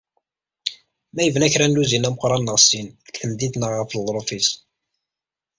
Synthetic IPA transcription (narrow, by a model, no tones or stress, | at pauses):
mæjəvnæçɾænːuzinæməqɾˤɑnːəʁsinkθəmd̪id̪nəʁːəflˤɾˤofis